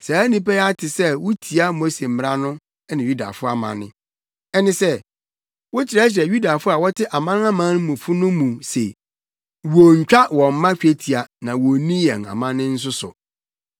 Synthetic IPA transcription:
saː˨æ˦nĩ˦pɛ˦a˦tʰɪ˨sɛ˦˨wʊ˦tʰi˨a˦mo˦se˨m̩˨m˦ɾa˦nʊ̃˦ | ɛ˦nɪ̃˨ju˦da̰˨fʊ˦a˨mã̰˨nɪ̰̃˦ | ɛ˦nɪ̃˦sɛ˦ | wo˦t͡ɕʰɪ˨ɾa˦ɕ̬ɪ˨ɾɛ˨ju˦da˨fʊ˦a˨wɔ˦tʰɪ˦ʔa˨mã˦n˦ã˦mã˦n˦mũ˨fʊ˦nʊ̃˦mũ˨sḛ˨ | wo˨ɲ̩˨t͡ɕᶣa˦wɔ̃˨m̩˦mã˦ɕᶣe˦tʰi˨a˨nã˨wo˨nĩ˦jɛ̰̃˨na̰˨mã˦nɪ̃˦n̩˦s̬ʊ˦sʊ̰˨

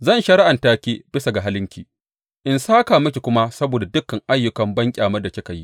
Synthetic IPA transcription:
zɐ˦nʃɐ˦ɾɪ˦ʔa˨ntaː˦kʲiː˦b̥ɪ˦sa˨ɡa˨ɦa˦lɪ˦ŋkʲiː˨ | ʔɪ˨nsaː˦kaː˨mɐ˦kʲi˨kʷʊ˦ma˦sɐ˦boː˨da˨dʊ˦kːɐ˨ŋʔa˦jːʊ˦kɐ˨mbɐ˦ŋkʲʼaː˨mɐ˦rda˨kʲɪ˦ka˨jḭ˦ʔ

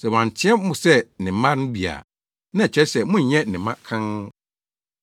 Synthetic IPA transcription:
sɛ˨wã˨n˨tʰɪ̃˦ɛ˦mʊ̃˨sɛ˦˨nɪ̃˨mã˦nʊ̃˦bi˨a̰˨ | nã˦˨t͡ɕʰɛ˦sɛ˨mʊ̃˦ɲ˨ɲɛ̃˦nɪ̃˨mã˦kʰã˦ŋ˦

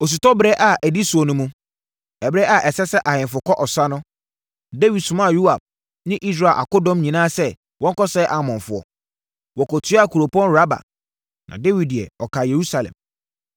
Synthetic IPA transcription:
o˨s̬u˨tɔ˦bɾɛ˦ʔa˨ʔæ˨di˦su˨ɔ˨nʊ̃˦mũ˦ | ɛ˨bɾɛ˦ʔa˨ʔɛ˨sɛ˦sɛ˦ʔa˨hɪ̃˨fʊ˨kʰɔ˦ʔɔ˨sa˦nʊ̃˦ | de˦wi˨dsʊ̃˨mã˦˨ju˦a˨b̚ | nɪ̃˦ʔi˦s̬ɾa˨ʔa̰˨kʊ˦dɔ̃˦mɲĩ˨nãː˦sɛ˦ | wɔ̃˦ŋ˦kɔ˦sɛː˦ʔa˨mɔ̃˨fʊ˨˦ɔ̰˨ | wɔ˨kɔ˨tʰɥa˨kʰu˨ɾo˨pʰɔ̃˦nɾa˦ba̰˨ | nʔã̰˨de˦wi˨d̚di˨ɛ̰˨ɔ˨kʰa˨je˨ɾu˦sa˨lɛ̰̃˨m

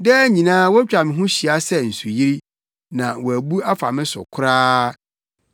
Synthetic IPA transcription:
dɛ˦ɲĩ˨nãː˦wɔ˦t͡ɕᶣa˨mɪ̃˨ɦʊ̃˦ɕi˨a˦sɛ˦n̩˨su˨ji˦ɾi˦ | nã˨wɔ˨æ˨bu˦a˦fa̰˨mɪ̃˦sʊ̰˨kʰʊ˦ɾaː˦

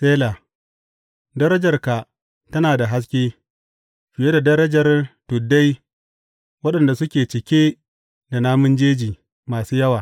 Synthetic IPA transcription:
seː˦laː˨ | dɐ˦ɾɐ˦d͡ʒɐ˨rka˨ | tɐ˦naː˨da˨ɦa˦s̬kʲeː˦ | ɸɪ˨je˦da˨dɐ˦ɾɐ˦d͡ʒɐ˨rtʊ˨da˦j | wɐ˦ɗɐ˨nda˨sʊ˦kʲeː˨t͡ʃɪ˨kʲeː˦ | da˨naː˦mʊ˦nd͡ʒeː˦d͡ʒiː˨ | maː˨suː˦jɐ˦waː˨

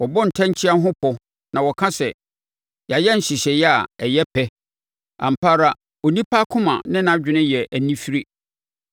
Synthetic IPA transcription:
wɔ˨bɔ˦n̩˨tʰã˦ɲ˦t͡ɕʰi˦a˦ɦʊ̃˦pʰɔ˦ | nã˨wɔ˨kʰã˦sɛ˨ | ja˨jɛ˦n̩˨ɕi˨ɕɛ˨jɛ˦a˨ɛ˨jɛ˦pʰɛ˦ | ã̰˨m̩˨pʰa˦ɾa˦ | ɔ˨nĩ˦pʰa˦kʰʊ̃˦mã̰˨nɪ̃˦nã˨d͡ʑᶣɪ̃˨˦nɪ̃˦jɛ˨ʔæ˨nĩ˦fi˦ɾe˦

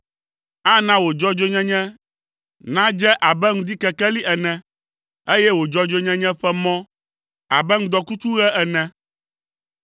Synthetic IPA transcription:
a˦nã˦wo˨d͡ʒɔ˦d͡ʒo˦ɲɛ̃˦ɲɛ̃˦ | nã˦d͡ʒɛ˦ʔa˨bɛ˦ŋũ˦d̪i˦kɛ˨kɛ˦li˦ʔɛ˨nɛ̃˨ | e˦jɛ˦wo˨d͡ʒɔ˦d͡ʒo˦ɲɛ̃˦ɲɛ̃˦ɸɛ˦mɔ̃˦ | a̰˨bɛ˦ŋũ˦d̪ɔ˨ku˦t͡ʃu˦ɣɛ˦ʔɛ˨nɛ̃˨

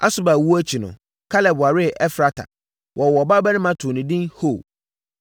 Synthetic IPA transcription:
a̰˦sʊ˦ba˨wu˦æ˦t͡ɕʰi˨nʊ̰̃˨ | kʰa˦lɛ˨bʊ˨a˨ɾɪ˦ʔɛ˦fɾa˦tʰa̰˨ | wʔɔ˨ɔ˨ba˦bɛ˦nɪ̃˦mã˦tʰʊ˨nɪ̃˨dĩ˦nho˦˨

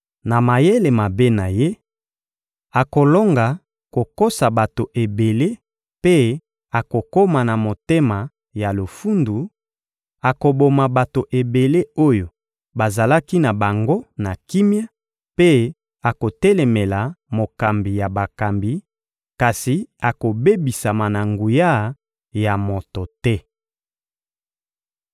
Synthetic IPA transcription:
na˨ma˨je˦le˨ma˨be˦na˨je˦ | a˨ko˨lo˦ŋɡa˨ | ko˨ko˦sa˨ba˨to˨ʔe˨be˨le˦ | pe˦ | a˨ko˨ko˦ma˨na˨mo˨te˦ma˨ | ja˨lo˨fu˦ndu˨ | a˨ko˨bo˨ma˨ba˨to˨ʔe˨be˨le˦o˦jo˨ | ba˨za˨la˦ki˦na˨ba˨ŋɡo˦na˨ki˦mi˦a˦ | pe˦ | a˨ko˨tɛ˦lɛ˨me˨la˨mo˨ka˨mbi˨ja˨ba˨ka˨mbi˨ | ka˨si˨a˨ko˨be˦bi˨sa˨ma˨na˨ŋɡu˨ja˦ | ja˨mo˨to˨tɛ˦

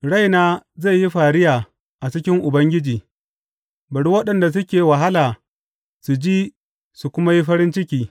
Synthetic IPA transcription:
ɽa˦˨jnaː˦za˦˨ji˦ɸaː˨ɽɪ˦jaː˨ | ʔa˨t͡ʃɪ˦kʲɪ˦ŋʔʊ˨bɐ˦ŋɡʲɪ˦d͡ʒiː˨ | bɐ˨ɽu˦wɐ˦ɗɐ˨nda˨s̬ʊ˦kʲeː˨wa˨ɦa˦laː˨ | su˨d͡ʒiː˦ | su˨kʷʊ˦ma˦ji˦ɸɐ˦ɾɪ˦nt͡ʃɪ˦kʲiː˦

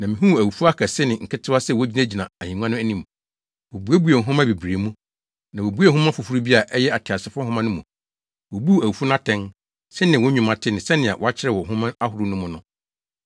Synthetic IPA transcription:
nã˨mɪ̃˨ɦũ˦˨æ˨wu˨fu˦a˦kʰɛ˨sɪ˦nɪ̃˨ŋ̩˨kʰɪ˦tʰɪ˦a˦sɛ˦˨wɔ˦d͡ʑi˦nã˦˨d͡ʑi˨nã˨a˨ɲĩ˨ŋũ˦ã˦nʊ̃˦æ˦nĩ˦mũ˨ | wo˨bu˨˦e˦bu˨˦e˨ɦʊ̃˦ma˦bi˨bɾe˨mũ˦ | nã˨wo˨bu˦e˦˨hʊ̃˦mã˦fʊ˨fu˦ɾu˦bi˦a˨ʔɛ˦jɛ˦a˨tʰɪ˨a˨sɪ˨˦fʊ˦ʊ˦hʊ̃˦mã˦nʊ̃˦mũ˨ | wo˨bu˦˨æ˨wu˨fu˦n˦ã˦tʰɛ̃˦n | sɛ˦nɪ̃˨wɔ˦ɲᶣũ˨mã˨tʰɪ˦nɪ̃˨sɛ˦nɪ̃˨a̰˨wɔ˨a˦t͡ɕʰɪ˦ɾɛ˦˨wɔ˨ɦʊ̃˦mã˦a˦ɦʊ˨ɾʊ˦nʊ̃˦mʊ̃˦nʊ̃˦

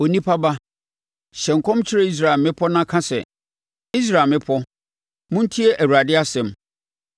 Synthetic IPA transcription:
o˨nĩ˦pʰa˦ba˦ | ɕɛ̃˨ŋ̩˨kʰɔ̃˦mt͡ɕʰɪ˦ɾe˦i˦s̬ɾa˨mɪ̃˦pʰɔ˦nã˦kʰã˦sɛ̰˨ | i˦s̬ɾa˨mɪ̃˦pʰɔ˦ | mʊ̃˦n̩˦tʰi˦ɛ˦ʔæ˨wu˨ɾa˨dɪ˦a˦sɛ̃˨m

